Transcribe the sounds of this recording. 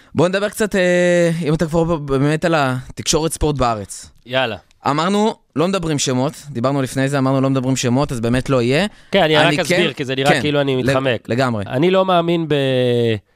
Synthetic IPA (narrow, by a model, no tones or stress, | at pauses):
bo̞ned̪abe̞ʁkt͡sateimat̪akvaʁbeme̞talat̪ikʃo̞ʁet̪spo̞t̬beaʁet͡sjala̰ | a̰maʁnu | lo̞med̪abʁimʃemo̞t̪d̪ibaʁnulifne̞jzeamaʁnulo̞med̪abʁimʃe̞mo̞tazbeːme̞tlo̞ije̞keaniʁaniazkebiʁkizeniʁkaekiiluanimitχamekle̞ɡamʁe̞a̰nilo̞maːminbe